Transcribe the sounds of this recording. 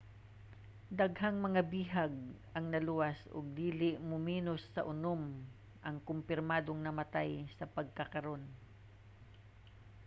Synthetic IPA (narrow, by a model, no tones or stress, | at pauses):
d̪ɐɡɦaŋmɐŋabiːɦaɡ̚ | ɐŋnɐluwasʊ̰ɡ̚d̪iːlɪʔmʊmiːnosːɐʔʊnom | ʔɐŋkʊmpɪɾmaːd̪oŋnɐmɐt̪ajsɐpɐɡ̚kɐkɐɾo̞n